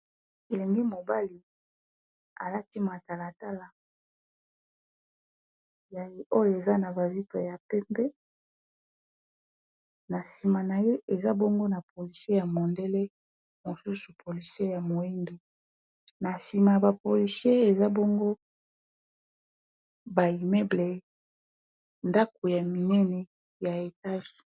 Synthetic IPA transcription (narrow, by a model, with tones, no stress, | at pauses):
e˨li˨ŋɡi˦mo˨ba˦li˨ | a̰˨la˦ti˦ma˨ta˨la˨ta˦la˨ | ja˨je˨o˦jo˨e˨za˦na˨ba˨vi˦to˨ja˨pɛ˦mbɛ˦ | na˨si˨ma˨na˨je˦ʔe˨za˦bo˦ŋɡo˦na˨po˨li˨se˦ja˨mo˨nde˦le˦ | mo˨su˦su˨pʰo˨li˨sje˦ja˨mo˨e˦ndo˨ | na˨si˨ma˨ba˨po˨li˨sje˦e˨za˦bo˦ŋɡo˦ | ba˨i˨mɛ˦ble˨ | nda˦ko˨ja˨mi˨nɛ˦nɛ˨ | ja˨e˨ta˦ʒi˨